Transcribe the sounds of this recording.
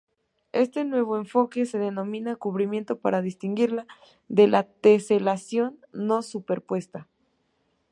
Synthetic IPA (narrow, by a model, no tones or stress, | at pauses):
e̞st̪e̞nwe̞β̞o̞eɱfo̞ke̞se̞ðe̞no̞mĩnakuβɾimje̞nt̪o̞pa̰ɾaðist̪iŋɡiɾla | d̪e̞lʔat̪e̞se̞lasjo̞nːo̞supe̞ɾpwe̞st̪a